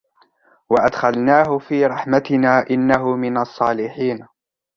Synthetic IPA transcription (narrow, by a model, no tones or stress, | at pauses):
waʔad̪xalnaːɦʊfiːɾˤɑħmat̪ɪnaːʔɪnːaɦʊmɪnɑsˤːɑːlɪħiːn